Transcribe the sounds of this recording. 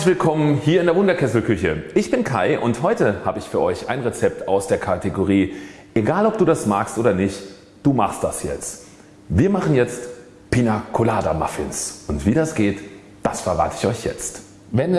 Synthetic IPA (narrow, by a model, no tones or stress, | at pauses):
ɪçv̥ɪlkʰɔmənhiːɐɪndeɐvʊndɐkʰɛsl̩kʰʏçəʔɪçb̥ɪnkʰaɪʔʊnthɔʏtəha̰ːbəɪçfyːɐʔɔʏça̰ɪnʁet͡sɛp̚taʊsd̥eːɐkʰateɡoʁ̞iː | ʔeɡaːlɔp̚d̥uːdasmaːkstʔoːdɐnɪçt | d̥uːmaχst̚d̥asjɛ̰t͡st | viːɐmaχn̩jɛt͡st | pʰinakʰolaːdama̰fɪnsʊntv̥iːɾasɡ̥eːt | d̥asfɛɐʁa̰ːtɪ̥çɔʏçjɛ̰t͡st | vɛn